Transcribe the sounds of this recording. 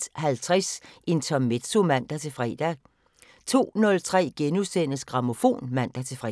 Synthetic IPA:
d̥hælt͡sʰʁasʔe̝nt͡sʰɒ̽mːed̥somæn̰d̥æt͡sʰe̝fʁɛ̰ːd̥æ | t͡sʰo̝̰ːnɔ̽lt͡sʰʁɛ̰ːɡ̥enusen̰əsɡ̥ʁɑ̈mo̝fo̝̰ːnmæn̰d̥æt͡sʰe̝fʁ

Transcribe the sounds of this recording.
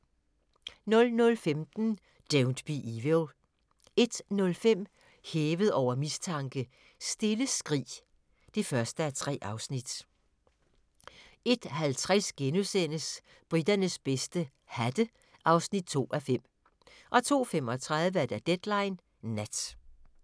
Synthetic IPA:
nɔ̽lnɔ̽lfemd̥n̩ | d̥eʊnd̥b̥iʔiʋeʊ | e̝d̥nɔ̽lfem̰ | heːʋəð̞̩ˠɒʊ̰ɐmist͡sʰɑ̈ŋɡ̥ə | sd̥e̝ləsɡ̥ʁḭː | d̥e̝fɶɐsd̥əæt͡sʰʁɛ̰ːʔɑ̈ʊsnid̥ | e̝d̥hælt͡sʰʁasɡ̥enusenəs | b̥ʁid̥ɐnəsb̥esd̥ə | hæd̥ə | ʔɑ̈ʊsnid̥̚t͡sʰo̝̰ːʔæfem̰ | ʔɒ̽t͡sʰo̝̰ːfem̰ɒ̽t͡sʰʁaðˠʋəæɐd̥æd̥ed̥lɑ̈ɪnː | æd̥

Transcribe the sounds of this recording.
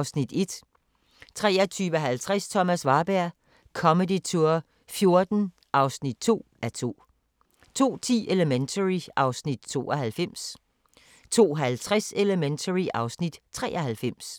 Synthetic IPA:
ʊsnid̥e̝d̥ | t͡sʰʁɛ̰ːɐt͡sʰyːʋəɦælt͡sʰʁast͡sʰɒ̽mæsʋɑ̈ːb̥æɐ̰ | kʰɒ̽məd̥it͡sʰuɐ | fjo̝ɐd̥n̩ | ʔɑ̈ʊsnid̥̚t͡sʰo̝̰ː | æɐt͡sʰo̝̰ː | t͡sʰo̝̰ːt͡sʰḭːʔe̝ləment͡sʰəʁiɑ̈ʊsnid̥̚t͡sʰo̝̰ːɒɦælfem̰s | t͡sʰo̝̰ːɦælt͡sʰʁase̝ləment͡sʰəʁiʔɑ̈ʊsnid̥t͡sʰʁɛ̰ːʔɐhælfem̰s

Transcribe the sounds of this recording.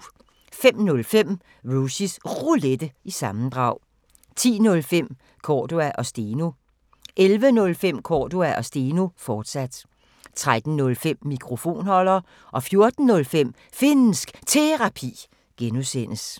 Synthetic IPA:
fem̰nɔ̽lfem̰ | ʁusisʁuled̥əisɑ̈mn̩d̥ʁɑ̈ʊ̰ | t͡sʰḭːnɔ̽lfem̰ | kʰɒːd̥uæʔɒ̽sd̥e̝ːnu | ʔelʋənɔ̽lfem̰kʰɒ̰ːd̥uæʔɒ̽sd̥e̝ːnufɒːd̥sæd̥ | t͡sʰʁad̥n̩nɔ̽lfem̰ːikʰʁo̝fo̝̰ːnhɒ̽l̰ɐː | ʔɒ̽fjo̝ɐd̥n̩ːɔ̽lfem̰ | fe̝nn̩sɡ̥t͡sʰe̝ʁɑ̈pʰḭː | ɡ̥enusen̰əs

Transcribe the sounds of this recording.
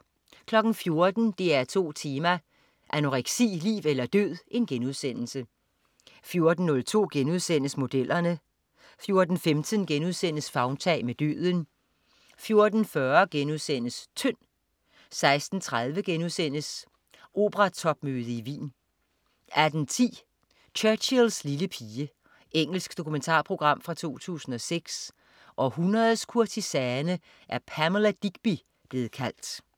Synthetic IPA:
kʰlɒ̽ɡ̥n̩fjo̝ɐd̥n̩d̥e̝æɐt͡sʰo̝̰ːt͡sʰeːmæ | ʔænoʁeɡ̥sḭːlḭːʋelɐd̥øð̰ˠʔe̝nɡ̥enuð̞̰ˠsen̰l̩sə | fjo̝ɐd̥n̩ːɔ̽lt͡sʰo̝̰ːɡ̥enuð̞ˠsen̰əsmo̝d̥elʔɐnə | fjo̝ɐd̥n̩femd̥ʰənɡ̥enuð̞ˠsen̰əsfɑ̈ʊnt͡sʰɛ̰ːɪmed̥ø̰ːðˠən | fjo̝ɐd̥n̩fɶɐɡ̥enuðˠsen̰əst͡sʰœn̰ | sɑ̈ɪsd̥n̩t͡sʰʁað̞ˠʋəɡ̥enuðˠsen̰əs | ʔo̝̰ːb̥əʁɑ̈t͡sʰɒ̽b̥̚møːð̞ˠəiʋḭːn | æd̥n̩t͡sʰḭː | t͡ɕʰœɐɕilsliləpʰiːə | eŋ̰l̩sɡ̥d̥o̝kʰument͡sʰɑ̰̈ːpʰʁo̝ɡ̥ʁɑ̈m̰fʁɑ̈t͡sʰo̝̰ːt͡sʰṵːsn̩ɒ̽seɡ̥s | ʔɒ̽hunʁɐðˠskʰuɐt͡sʰisɛːnə | ʔæɐpʰæmlæd̥iɡ̥b̥i | b̥le̝ːð̩ˠkʰæl̰d̥

